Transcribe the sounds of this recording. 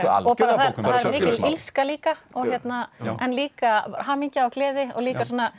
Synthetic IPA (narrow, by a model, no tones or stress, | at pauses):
ɔpaːɾaθaθaðɛɾɾmɪːcɪlilskaliːkaɔɣçjɛt̪naʔɛnliːkahaːmiɲcaɔɣklɛːðɪɔ̰liːkasoːna